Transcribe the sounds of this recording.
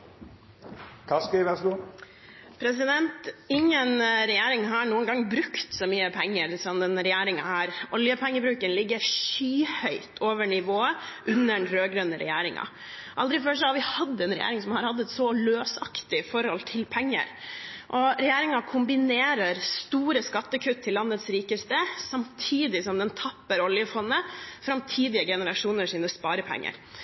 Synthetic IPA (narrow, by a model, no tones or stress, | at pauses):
kʰɑskəʋɛsɡu | pʰɾɛs̬ɪd̪ɛnt̪ɪŋːənɾɛjeːɾɪŋɦɑɳuːənɡɑŋbɾʉkt̪sɔmyːəpʰɛŋːəɾsɔmd̪ɛnɾɛjæːɾɪŋɑhæːɾʔɔljəpʰɛŋːəbɾʉːkənlɪɡːəɾʂyːhœʏt̪ʰoːʋəɳɪʋoːə | ʔʉnːəɳɾøːɡɾœnəɾɛ̰jæːɾɪŋɑ̰ | ʔɑld̪ɾɪføːʂ̬ɔhɑɾʋɪhɑd̪ːɛnɾɛjæ̰ːɾɪŋsɔmhɑɾhɑd̪ːəɛt̪sɔløːsɑkt̪ɪfɔɾhɔlt̪ʰɪlpʰɛŋːə̰ɾʔɔɾɛjæːɾɪŋɑkʰʊmbɪneːɾəɾst̪uːɾəskɑt̪ːəkʰʉt̪ʰːɪlːɑnːət̪sɾiːkəst̪əsɑmt̪ʰiːd̪ɪsɔmd̪ɛnt̪ʰɑpːəɾɔljəfɔnːəfɾɑmt̪ʰiːd̪ɪəɡɛnəɾɑʂuːnəʂiːnəspɑːɾəpʰɛ̰ŋːə̰ɾ